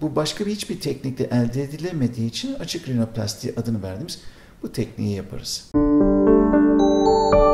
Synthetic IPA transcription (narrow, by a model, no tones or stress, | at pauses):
bubaʃkʰabihit͡ʃbiɾt̪ʰɛcnic̚lʲɛʔælʲd̪eːd̪ilʲeme̞d̪iːt͡ʃʰinat͡ʃʰɯklʲino̞plʲa̰st̪ʰḭʔad̪ɯnɯvæɾd̪imiz | but̪ʰɛcnḭjijapʰa̰ɾɯz̥